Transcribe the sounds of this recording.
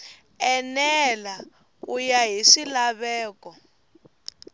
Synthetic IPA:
ɛnɛla | ujaɦiʂilaβɛːkɔ

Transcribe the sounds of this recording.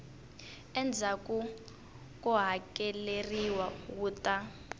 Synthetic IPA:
ɛnd͡zʱakʼu | k̬ʼuɦakɛleriwawuːtʼa

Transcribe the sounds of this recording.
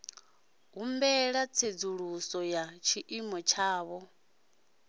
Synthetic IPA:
ɦumbɛɺat͡sʰed͡zuɺusɔjat͡ʃʰiʔimɔt͡ʃʰaːβɔ

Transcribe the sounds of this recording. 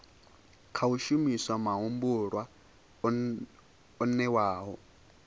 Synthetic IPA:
kʰauʃumiswamaɦumbuɺwa | ɔnɛwaːɦɔ

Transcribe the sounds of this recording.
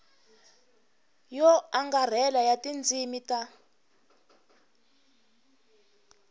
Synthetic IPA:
jɔaŋɡar̤ɛlajatʼind͡zʱimita

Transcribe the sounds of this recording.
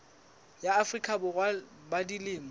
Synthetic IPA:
jaːfrikʼʰabʊɣwa | badilɪːmbɔ

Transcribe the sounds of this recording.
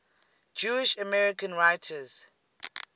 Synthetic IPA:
d͡ʒuɪʃəmɛɹikə̃nɹajtʰəz̥

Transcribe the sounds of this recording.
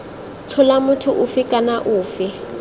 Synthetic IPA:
t͡sʰɔlamʊtʰʊʔʊfɪkʼanaʔʊːfɪ

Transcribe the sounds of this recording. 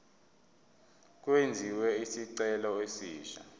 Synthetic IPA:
k̬wend͡zʱiwɛisiǀɛlɔesiːʃa̰

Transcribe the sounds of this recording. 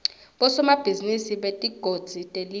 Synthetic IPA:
ɓɔsɔmab̥ʱizinisiɓetʼiɡ̥ʱod̥d͡z̥ʱitʼeli

